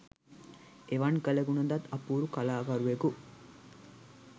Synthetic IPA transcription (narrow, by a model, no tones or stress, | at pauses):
eʋɐnkəlɐɡunɐd̪ɐt̪ːɐpuːɾukɐlaːkɐɾueku